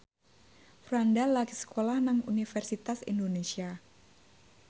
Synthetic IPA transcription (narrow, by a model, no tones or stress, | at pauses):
fɾandalːakisə̥kʰolahnaŋṵnifɛrsit̪asḭndonesia